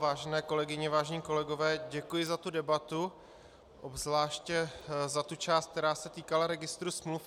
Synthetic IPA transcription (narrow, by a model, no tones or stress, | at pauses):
vaːʒɛnɛːko̞lɛɡɪɲɛvaːʒɛɲiːko̞lɛɡo̞vɛːɟɛkujɪzat̪udɛbat̪u | ʔobzvlaːʃcɛzat̪ut͡ʃaːst̪k̚t̪ɛɾaːsɛt̪iːkalaɾɛɡɪst̪ɾusmluf